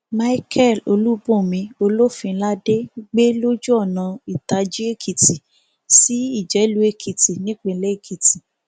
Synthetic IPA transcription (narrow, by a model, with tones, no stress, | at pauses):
ma˦i˦kʰɛ˦˨lo̰˧lu˦bõ˦˨mĩ˧o˧lo˦fĩ˧˦la˦de˦ɡ͡be˦lo˦d͡ʒu˦ɔ˦˨nã˨˧i˨ta˧d͡ʒi˦e˦˨kʰi˨ti˨ | si˨˦i˦˨d͡ʒɛ˨˦lu˦e˦˨kʰi˨ti˨nĩ˦k͡pe˨˧˦le˦e˦˨kʰi˨ti˨